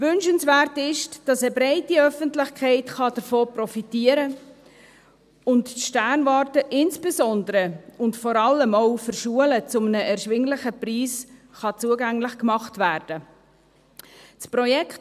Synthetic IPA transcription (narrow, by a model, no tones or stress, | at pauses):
vʏnʃənsvæːrtɪʃd̥ɑsəbɾɛɪtiœfəntlɪχkʰɛɪtχɑd̥əɾfoːprɔfitiəɾə | ʊntʃtærnvɑːɾtəʔɪnsb̥esɔndəɾəʊntfɔɾɑlːəmoʊfəɾʃuələt͡sʊmənəɛɾʃvʋɪŋlɪχəpriːsχɑt͡suəɡæŋlɪχkmɑχtvæːɾd̥ə | t͡sprɔjɛkt